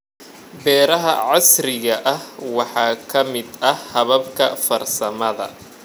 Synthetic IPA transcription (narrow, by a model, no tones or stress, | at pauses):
bɛːɾɐɦɐ̰ʕɑsrɪɣɐʔɐhwɑħɑːkʰɐmɪd̪ɐhɐβɐbkʰɐ̰fɐrsɐmɐðɐ̰